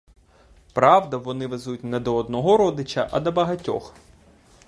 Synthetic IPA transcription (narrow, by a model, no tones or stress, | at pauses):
pɾɑʋd̪ɐʋɔnɪʋezutʲnɛd̪ɔɔd̪nɔɦɔɾɔd̪ɪt͡ʃɐ̰ʔɐ̰d̪ɐbɐɦɐtʲɔ̰x